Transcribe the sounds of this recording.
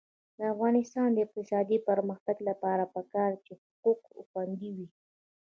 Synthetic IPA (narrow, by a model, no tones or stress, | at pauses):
d̪əafɣɑnɪst̪ɑnd̪əɪq̚t̪ɪsɑd̪ipəɾməxt̪aɡlapɑɾapəkɑɾt͡ʃehʊquqxwand̪iwi